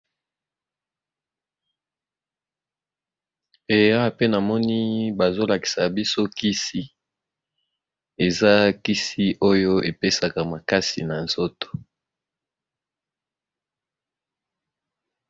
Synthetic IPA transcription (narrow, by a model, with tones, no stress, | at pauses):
e˨ja˦˨pe˦na˨mɔ˦ni˦ba˨zo˦la˨ki̥˨sa˨bi˦so˦ki˦si˦ | e˨za˦ki˦si˦ʔo˦jo˦e˨pe˦sa˨ka˨ma˨ka˦si˨na˨nzo˦to̥˨